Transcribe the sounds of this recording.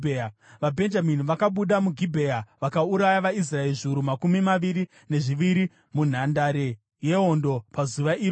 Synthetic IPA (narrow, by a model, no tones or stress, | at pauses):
ʋabʱe̞nd͡ʒaminiʋakaɓuɗamuɡʱibʱeaʋakauɾajaʋais̬raeriʐiuɾumakumimaʋiɾi | ne̞ʐiʋiɾi | mun̤andaɾe̞ | je̞o̞ndo̞pazuʋair